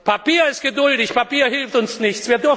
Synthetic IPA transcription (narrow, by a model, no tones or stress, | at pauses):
pʰapiːɐɪst̚ɡ̥ədʊldɪçpʰapiːɐhɪlftʊnsnɪçt͡sv̥iːɐdʏɐ